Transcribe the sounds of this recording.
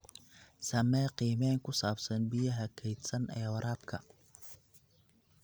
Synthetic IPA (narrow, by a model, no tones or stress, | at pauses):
sɐmɛːqiːmɛːŋkʰʊsaːbsɐnbɪjɐɦɐkʰɛjd̪sɐnʔɛːwɐɾʔaːb̚kʰɐ